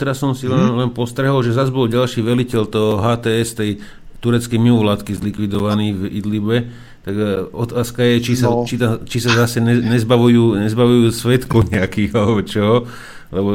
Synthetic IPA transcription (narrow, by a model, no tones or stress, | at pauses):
t̪ɛɾasːɔmsilɛlɛnpɔst̪ɾɛɦɔlʒɛzazbɔlɟalʃiːʋɛlicɛlt̪ɔɦɔɦaːt̪ɛːɛst̪ɛj | t̪uɾɛt͡skɛjmiulat̪kizlikʋid̪ɔʋaniːvḭd̪libɛ | t̪aɡɔt̪aːskajɛt͡ʃisat͡ʃit̪at͡ʃisazasɛɛɲɛzbaʋujuːɲɛzbaʋujuːsʋɛt̪kɔɲɛakiːɣalɛbɔt͡ʃɔɦɔ | lɛbɔ